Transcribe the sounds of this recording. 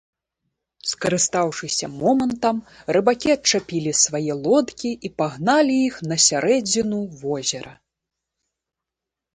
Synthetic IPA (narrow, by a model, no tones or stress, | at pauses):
skɐɾɨst̪awʂɨsʲɐmɔmɐnt̪ɐmrɨbakʲiɐt͡ʂapʲilʲisvajɛlˠɔt̪kʲiipaɣnalʲijixnɐsʲaɾɛd͡zʲinuvɔzʲɛɾɐ